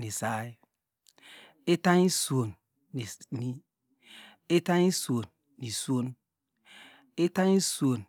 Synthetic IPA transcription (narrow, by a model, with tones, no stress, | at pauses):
ni˨sa˦j | e˦ta˦ɲi˦su˨o˨nː˨ | ni˦ | e˦ta˦ɲi˦su˨o˨nː | i˨su˦o˦n | e˦ta˦ɲi˦su˨o˨n